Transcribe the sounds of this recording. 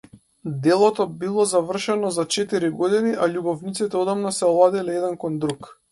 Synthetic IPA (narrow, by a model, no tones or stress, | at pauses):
d̪ɛlˠɔt̪ɔbilˠɔzavr̩ʃɛnɔzat͡ʃɛt̪iɾiɡɔd̪iniʔaʎubɔvnit̪sit̪ɛɔd̪ɔmnɔsɛlˠad̪ilɛɛd̪ɛnkɔnd̪ɾuk